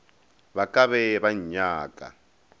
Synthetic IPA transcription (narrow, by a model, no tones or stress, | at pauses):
βakaβɛβaɲɲaːkʼa̰